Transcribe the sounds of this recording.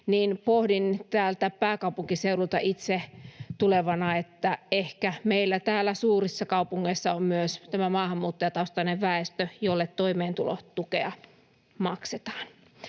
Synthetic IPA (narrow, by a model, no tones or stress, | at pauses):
niːnpohdint̪æːlt̪æpæːkɑupuŋkiseulult̪ɑ̰ʔit̪set̪uleʋɑnɑet̪ːæehkæmeilːæt̪æːlːˑæsuːrisːɑkɑupuŋːeisːɑommyøst̪æmæmɑːhɑmːuːt̪ːojɑt̪ɑust̪ɑneʋʋæest̪øjolːet̪t̪oimeːnt̪ulo̰t̪ukeɑ | mɑkset̪ɑ̥ːn